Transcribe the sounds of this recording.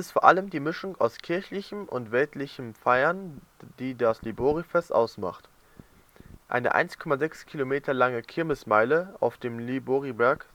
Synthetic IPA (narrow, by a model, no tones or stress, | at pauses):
ɪstfoɐʔaləmdiːmɪʃʊŋa̰ʊskʰɪɐçlɪçəm̩ʔʊntv̥ɛltlɪçəmfaɪɐnd̥iːdasliboːʁifɛstʔa̰ʊsma̰χt | ʔa̰ɪnə̰ʔa̰ɪnskʰɔmazɛkskʰilomeːtʰɐlaŋəkʰɪɐmɪsmaɪləʔa̰ʊfd̥eːmliboːʁibɛɐk